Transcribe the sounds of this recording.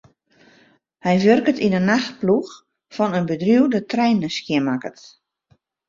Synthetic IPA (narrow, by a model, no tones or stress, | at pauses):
hɛjʋørkətinənaxt̚plux | fɔnənbədrjuwdətrɛjnəskjɪəmakət